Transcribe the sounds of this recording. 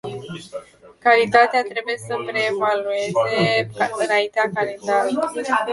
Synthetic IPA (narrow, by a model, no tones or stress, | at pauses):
kalit̪at̪eat̪ɾe̞buje̞səpɾeːvalue̞ze̞ɨnaint̪eakalind̪a